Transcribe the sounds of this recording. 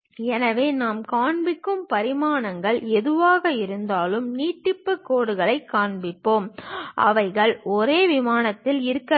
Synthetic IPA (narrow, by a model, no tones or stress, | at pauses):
ɛnɐʋeːnaːmkaːɳbɪkːɯmpɐɾɪmaːnɐŋɡɐɭɛðɯʋaːɣɐɪɾɯnd̪aːlɯmniːʈːɪpːɯkːoːɽɯɣɐɭɐɪkːaːɳbɪpːoːmʔɐ̰ʋɐɪɣɐɭɔɾeːʋɪmaːnɐt̪ːɪlɪɾɯkːɐ